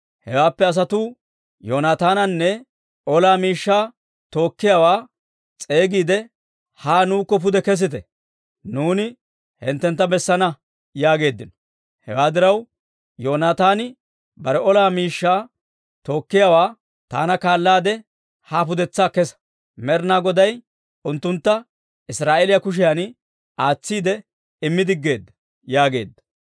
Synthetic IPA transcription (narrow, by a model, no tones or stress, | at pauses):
hɛ̰waːpːɛɐs̬ɐt̪uː | joːnaːt̪aːnɐnːɛ | ɔlaːmiːʃːaː | t̪o̞ːkːɪjaːwaː | t͡sʼe̞ːɡiːd̪ɛ | haːnuːkːɔp̬ʊd̪ɛkɛs̬ɪt̪ɛ | nuːnɪ | hɛ̰nt̪ːɛnt̪ːɐbɛsːɐnɐ | jaːɡe̞ːd̪ːɪnɔ̥ | hɛ̰waːd̪ɪɾɐw | joːnaːt̪aːnɪ | bɐɾɛʔɔlaːmiːʃːaː | t̪o̞ːkːɪjawaː | t̪a̰ːnɐkaːlːaːd̪ɛ | haːpʊd̪ɛt͡sːaːkɛsɐ̥ | mɛɾnaːɡɔd̪ɐj | ʊnt̪ːʊnt̪ːɐ | ɪsɾaːʔeːlɪjɐkʊʃ̬ɪjɐn | ʔaːt͡sːiːd̪ɛ | ɪmːɪd̪ɪɡːe̞ːd̪ːɐ | jaːɡe̞̰ːd̪ːɐ̥